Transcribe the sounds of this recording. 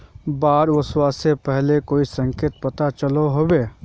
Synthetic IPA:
baːɾʋəswasepɛɦlekoːisə̃ŋkeːt̪̚pɐt̪at͡ʃɐloɦoːbeː

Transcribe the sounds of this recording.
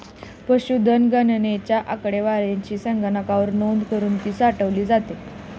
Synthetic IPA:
pəɕud̪ənɡənənet͡ɕjaʔakɽeʋaɾjaɲt͡ɕiːsəŋɡənakaʋəɾnond̪kəɾuːnt̪iːsaʈəʋliːd͡zat̪e

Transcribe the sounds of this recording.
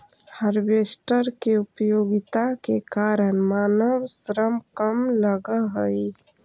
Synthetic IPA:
həɾbesʈəɾkeupjoːɡɪt̪akekaɾənmaːnəwsɾəmkəmləɡəɦəi

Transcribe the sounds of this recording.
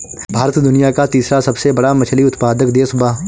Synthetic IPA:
bʱaːɾət̪d̪ʊnijakat̪iːsɾasɐbsebɐɽamɐt͡ʃʰəliʊt̪paːd̪əkd̪eːsʊba

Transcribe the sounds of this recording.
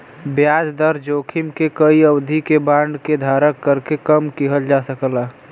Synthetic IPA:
bjad͡ʒd̪əɾd͡ʒokʰimkekəiəbd̪ʱikebãɳɖked̪ʱaɾəkːəɾkekəmkiɦəld͡ʒasəkla

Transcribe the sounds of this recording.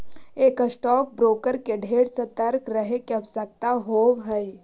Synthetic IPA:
eːkəsʈɔːk̚bɾoːkəɾkeɖʱeːɽsət̪əɾkɾəɦekeɐʋsək̚t̪aɦoːwɦɛi

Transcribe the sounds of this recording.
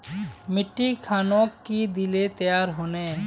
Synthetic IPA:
mɪʈːikʰaːnõkid̪ɪlet̪ɐjaːɾɦoːne

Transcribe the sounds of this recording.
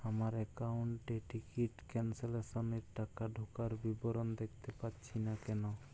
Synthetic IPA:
amaɾɛkawɳʈːeʈikiʈkɛnseleʃoneɾʈakaɖʱokaɾbiboɾond̪ek̚ʰt̪epatːɕʰinakɛno

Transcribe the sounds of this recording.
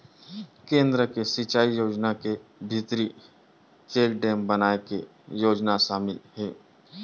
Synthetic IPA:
kẽːnd̪ɾəkesɪt͡ʃaːijoːd͡ʒnakebʱɪt̪ɾi | t͡ʃeːlɖẽːmbɐnaːeke | joːd͡ʒnaʃaːmɪlɦɛː

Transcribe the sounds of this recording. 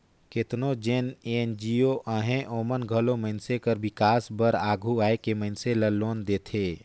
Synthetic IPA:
kɪt̪nod͡ʒeːnend͡ʒioʔaɦẽʔoːmənɡʱəloməɪnsekəɾbɪkaːsbəɾaːɡʱuaːekeməɪnseləloːnd̪eːt̪ʰeː

